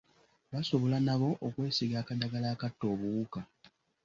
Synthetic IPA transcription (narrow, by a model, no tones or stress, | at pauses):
βaso̞βo̞lanaβo̞ʔokwe̞ːsiɡaːkadaɡalaːkatːo̞ːβuːka